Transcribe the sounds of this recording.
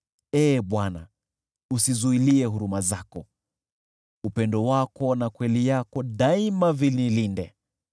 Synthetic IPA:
ɛːɓwana̰ | usizuiliɛɦuɾumazakɔ | upɛndɔwakɔnakwɛlijakɔɗaimavililindɛ

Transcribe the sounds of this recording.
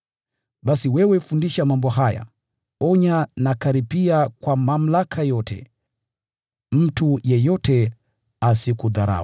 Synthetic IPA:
ɓasiwɛwɛfundiʃamambɔɦaja̰ | ɔɲanakaɾipiakwamam̩lakʰajɔtʰɛ̰ | m̩tujɛjɔtɛ | asikuðaɾa̰wa

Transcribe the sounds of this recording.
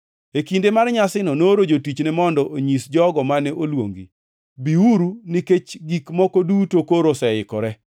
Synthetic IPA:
ekindemarɲasɪnɔnoɾod͡ʒotit͡ʃnɛmɔndɔʔoɲisd͡ʒɔɡɔmanɛʔolwo̰ŋɡḭ | biuɾuniket͡ʃɡikmɔkodutokoɾosɛɪkɔɾɛ

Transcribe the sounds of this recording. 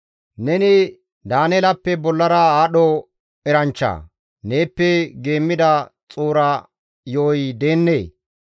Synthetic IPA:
nɛnɪ | d̪aːnɛlɐpːɛbɔlːɐɾɐaːɗɔ | ɛɾɐnt͡ʃːa̰ː | ne̞ːpːɛɡe̞ːmːɪd̪ɐt͡sʼuːɾɐ | joːjd̪e̞ːnːḛː

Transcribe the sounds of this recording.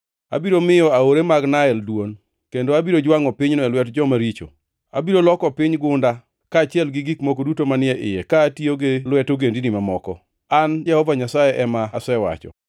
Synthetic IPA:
a̰biɾomɪjɔaoɾemaɡnaɛldwon | kendoabiɾod͡ʒwaŋɔpɪɲnɔɛlwɛtd͡ʒɔmaɾit͡ʃo̰ | a̰biɾolɔkɔpɪɲɡʊnda | kaːt͡ʃɪɛlɡɪɡikmokodutomanɪɛʔɪjɛkaːtioɡelwɛtoɡendinimamɔkɔ̰ | and͡ʒɛhɔvaɲasajɛʔɛmasɛwa̰t͡ʃɔ̰

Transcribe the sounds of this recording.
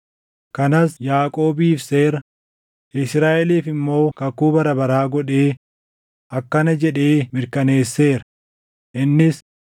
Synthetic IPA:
kɐnɐsjaːkʼo̞ːbiːfse̞ːɾɐ | ʔɪsɾaːʔɛliːfɪmːo̞ːkɐkuːbɐɾɐbɐɾaːɡɔᶑe̞ː | ʔɐkːɐnɐd͡ʒɛᶑe̞ːmɪɾkɐne̞ːsːe̞ːɾɐ | ʔɪnːɪs

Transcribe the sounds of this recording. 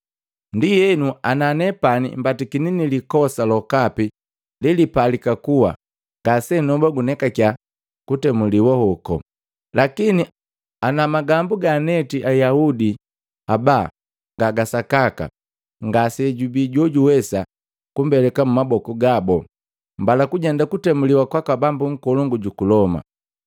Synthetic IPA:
ndijɛnuananɛpanḭmbatikininilikɔsalɔkapi | lilipalikakuwa̰ | ŋɡasɛnɔbaɡunɛkakja | kutɛmuliwɔhɔkɔ̰ | lʔakini | anamaɡambuɡanɛtiʔajahudi | abaː | ŋɡaɡasakaka̰ | ŋɡasɛɟubiːɟwɔɟuwɛsa | kumbɛlɛkamumabɔkuɡabɔ | mbalakuɟɛndakutɛmuliwakwakabambuŋ̩kɔlɔŋɡuɟukulɔma̰

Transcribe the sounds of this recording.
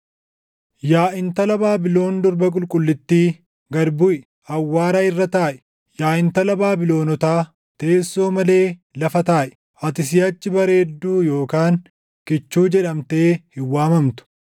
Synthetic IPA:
jaːʔɪnt̪ɐlɐbaːbɪlo̞ːnd̪ɔɾbɐk̬ʼʊlkʼʊlːɪt̪ːiː | ɡɐɾbʊʔɪ | ɐwːaːɾaɪrːɐt̪aːʔɛ̥ | jaːʔɪnt̪ɐlɐbaːbɪlo̞ːnɔt̪aː | t̪e̞ːsːo̞ːmɐle̞ː | lɐfɐt̪aːʔɛ̥ | ʔɐt̪ɪs̬ɪjɐt͡ʃːɪbɐɾe̞ːd̪ːuːjo̞ːkaːn | kɪt͡ʃːuːd͡ʒɛᶑɐmt̪eːhɪwːaːmɐmt̪ʊ̥

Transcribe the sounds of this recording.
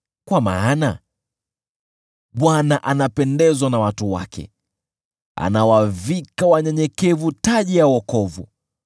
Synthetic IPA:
kwama̰ːna | ɓwanaʔanapɛndɛzwanawatuwa̰kʰɛ̰ | a̰nawavikawaɲɛɲɛkɛvutaʄijawɔkɔvṵ

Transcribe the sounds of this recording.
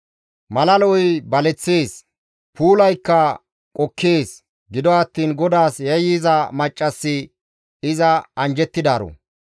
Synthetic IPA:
mɐlɐlɔjbɐlɛt͡sːeːs | pʰuːlɐjkːɐ | kʼɔkʰːeːs | ɡɪd̪ɔɐt̪ːiːnɡɔd̪aːsjɛjiːzɐmɐt͡ʃʼːɐsːɪ | ɪzɐɐnd͡ʒɛt̪ːɪd̪aːɾɔ̰

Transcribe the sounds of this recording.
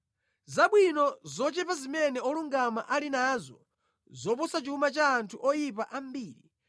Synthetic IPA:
zaɓwinɔzɔt͡ʃɛpazimɛnɛɔluŋɡamaʔalinaːzɔ | zɔp̬ɔsat͡ʃiumat͡ʃaːntʰuʔɔjip̬aʔam̩biːɾi

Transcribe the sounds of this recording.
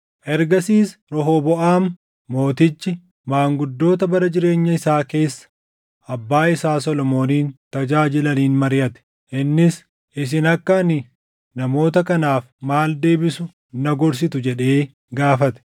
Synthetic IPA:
ʔɛɾɡɐsiːsɾɔɦoːbɔʔaːmː | o̞ːt̪ɪt͡ʃːɪ | maːŋɡʊd̪ːo̞ːt̪ɐbɐɾɐd͡ʒɪɾe̞ːɲːɐɪsaːke̞ːsːɐ̥ | ɐbːaːɪsaːsɔlɔmo̞ːniːnt̪ɐd͡ʒaːd͡ʒɪlɐniːnmɐɾɪjɐt̪ɛ̥ | ʔɪnːɪs | ʔɪs̬ɪnɐkːɐnɪ | nɐmo̞ːt̪ɐkɐnaːfmaːld̪e̞ːbɪsʊ | nɐɡɔɾs̬ɪt̪ʊd͡ʒɛᶑe̞ː | ɡaːfɐt̪ɛ̥

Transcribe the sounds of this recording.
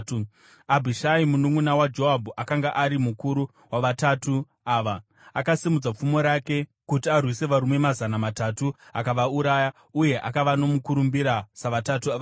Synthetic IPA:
abʱiʃaimunuŋunawad͡ʒo̞ɦabʱuʔakaŋɡaʔaɾimukuɾu | waʋatatu | aːʋa | akasimud͡zap͡fumo̞ɾake̞kutiarwise̞ʋaɾume̞mazanamatatuakaʋauɾaja | uje̞ʔa̰kaʋano̞mukuɾumbiɾasaʋatatuaʋ

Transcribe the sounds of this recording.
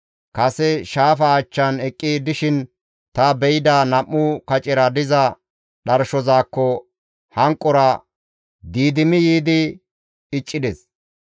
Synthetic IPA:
kɐsɛʃaːfɐt͡ʃːɐnɛkʼːid̪ɪʃɪn | t̪ɐbɛjɪd̪anɐmːʊkɐt͡ʃʼɪɾɐd̪ɪzɐ | ɗɐɾʃɔzaːkːɔ | hɐŋkʼːɔɾɐ | d̪iːd̪ɪmɪjiːd̪ɪ | ɪt͡ʃʼːɪd̪ɛs

